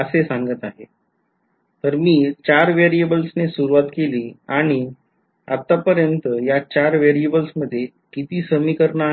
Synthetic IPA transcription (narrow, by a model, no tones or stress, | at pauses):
əsesãŋɡət̪aɦe | t̪əɾmiːt͡ɕaɾʋeɾiebəlsnesuɾuʋat̪keliːaɽ̃i | a̰t̪ːapəɾjənt̪əjat͡ɕaɾʋeɾiebəlsməd̪ʱːje | kit̪iːsəmiːkəɾɳa